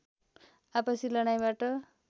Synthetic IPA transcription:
apʌsilʌɽ̃ajbaʈʌ

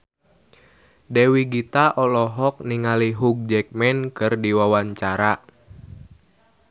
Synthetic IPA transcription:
dewiɡit̪aʔɔlɔɦɔk̚niŋaliɦuk̚d͡ʒɛk̚mɛnkɨrdiwawaɲt͡ʃaɾa

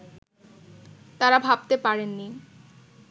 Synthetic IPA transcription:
t̪aɾabʱab̚t̪epaɾenːi

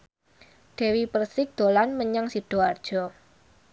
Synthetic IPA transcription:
ɖ̥e̤wipərsɪk̚d̪̥olanməɲaŋsiɖ̥ɔard̥ʒ̥ɔ

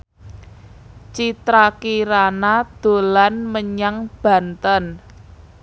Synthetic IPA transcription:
t͡ʃit̪ɾakiɾanad̪̥o̤lanməɲaŋb̥ä̤nt̪ən

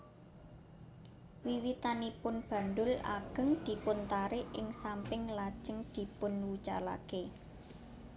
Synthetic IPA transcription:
wiwit̪anipʊnb̥ä̤nd̪ʊla̰ɡ̥ə̤ŋd̪̥i̤pʊnt̪aɾɪʔɪŋsampɪŋlad̥ʒ̥ə̤ŋd̪̥i̤pʊnwut͡ʃa̰la̰ke

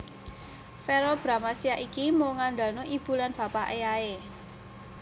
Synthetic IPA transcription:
fɛɾɔlb̥ɾa̤masiaʔikimoŋand̪a̤lnoʔib̥ṳlanb̥a̤paʔejae

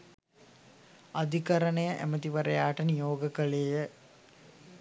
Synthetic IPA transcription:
ɐd̪ʱikɐɾɐɳɐjɐʔḛmɐt̪iʋɐɾɐjaːʈɐnijoːɡɐkɐɭejə

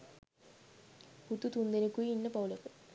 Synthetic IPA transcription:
put̪ːut̪und̪enikːuinːɐpɐwlɐkɨ

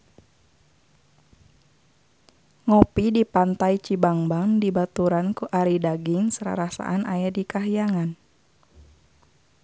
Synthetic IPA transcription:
ŋɔpidipant̪ait͡ʃibaŋbaŋdibat̪uɾankuʔaɾidaɡiŋsəɾa̰ɾasa̰ʔanajadikaɦijaŋan

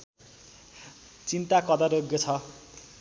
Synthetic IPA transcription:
t͡sint̪akʌd̪ʌɾoɡjʌt͡sʰʌ

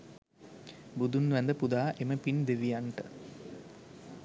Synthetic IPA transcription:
bud̪unʋænd̪əpud̪aːʔeməpind̪eʋijaɳʈə

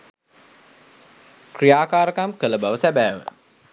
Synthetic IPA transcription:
krijaːkaːɾəkamkələbaʋəsæbæːʋə̰

